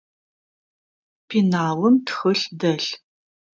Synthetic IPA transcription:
pʰinaːwɨmtxɨɬdɐɬ

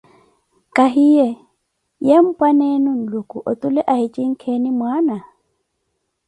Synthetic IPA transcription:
kʼaɦijɛ | jam̩pʼanenun̩lukʼuʔot̪ʼulɛʔahit͡ʃʼiŋ̩kʰenimwaːna

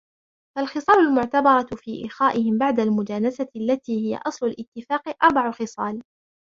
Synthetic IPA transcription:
falxɨsˤɑːlʊlmʊʕt̪abɑɾˤɑfiːʔɪ̰xaːʔɪhɪmbaʕd̪almʊd͡ʒaːnasaalːat̪iːhɪja̰ʔɑsˤlʊlʔɪt̪ːɪfaːqɪʔɑɾˤbɑʕʊxɪsˤɑːl

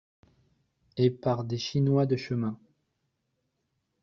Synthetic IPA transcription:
epaʁd̪eʃinwad̪əʃəmɛ̃

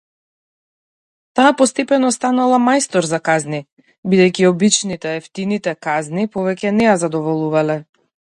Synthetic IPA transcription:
t̪aːpɔst̪ɛpɛnɔst̪analˠamajst̪ɔɾzakazni | bid̪ɛjciɔbit͡ʃnit̪ɛɛft̪init̪ɛkaznipɔvɛcɛnɛjazad̪ɔvɔlˠuvalɛ

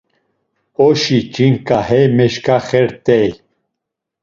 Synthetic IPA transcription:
ɔʃit͡ʃʼiŋkʼahɛmɛʃkaχɛɾt̪ʼɛj

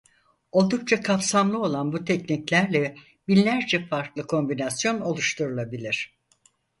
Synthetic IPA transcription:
o̞lˠd̪uk̚t͡ʃʰakʰapsamlˠɯo̞lˠanbut̪ʰɛcniclʲæɾlʲɛ | binlʲæɾd͡ʒɛfaɾklˠɯkʰo̞mbinasjo̞no̞lˠuʃt̪ʰuɾulˠabilʲiɾ̝̥

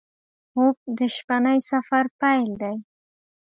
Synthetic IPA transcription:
ob̚d̪əʃpanəjsafaɾpajld̪aj

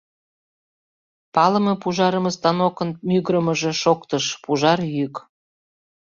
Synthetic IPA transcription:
pɑləmɤpuʒɑɾəməst̪ɑnokənmyɣɾəməʒe̽ʃokt̪əʃpuʒɑrjyk

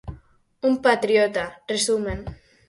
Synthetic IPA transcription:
umpat̪ɾjot̪aresumen

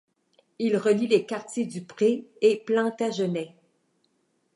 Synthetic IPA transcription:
ilʁəlilekaʁt̪ʲjed̪ypʁeeplɑ̃t̪aʒənɛ

